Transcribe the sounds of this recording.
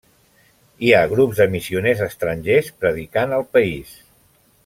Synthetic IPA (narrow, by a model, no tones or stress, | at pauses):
iaɣɾubzðd̪əmisiunezəst̪ɾənʲʒespɾəðikanəlˠpəis